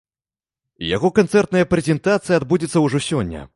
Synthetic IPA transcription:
ja̰ɣɔkant̪sɛrt̪nɐjɐpɾʲɛzʲɛnt̪at̪sɨjɐad̪bud͡zʲit̪sːɐwʐɔsʲɔnʲːɐ̰

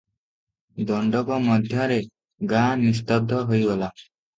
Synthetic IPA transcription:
d̪ɔɳɖɔbɔmɔd̪ʱjɔɾe | ɡãnis̬t̪ɔb̚d̪ʱːɔɦojbɔla

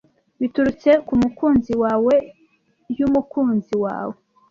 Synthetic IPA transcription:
βituɾut͡se̞kumukuːnziwaːwe̞ | jumukuːnziwa̰ːwe

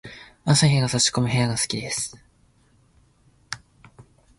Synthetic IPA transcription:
ãsaɦeɡasaɕi̥ko̞mɯ̟ɦeaɡasɨ̥kʲid̪e̞sɨ̥

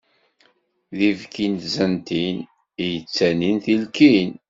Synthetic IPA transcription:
ðivkint̪zənt̪in | ijət͡sːæninθilkin

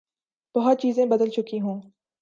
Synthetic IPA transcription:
b̥ɐɦʊt̪̚t͡ʃiːzẽbɐd̪əlt͡ʃʊkiɦũː

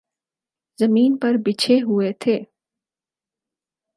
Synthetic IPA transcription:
zɐmiːnpɐɾbɪt͡ʃʰeɦuet̪ʰeː

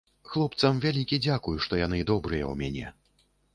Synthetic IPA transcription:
xlˠɔpt̪sɐmvʲalʲikʲid͡zʲakujuʂt̪ɔjanɨd̪ɔbɾɨjɐ̰wmʲanʲɛ̰

